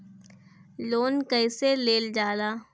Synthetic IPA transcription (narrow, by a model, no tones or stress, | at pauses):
loːnkəɪseleːld͡ʒaːlaː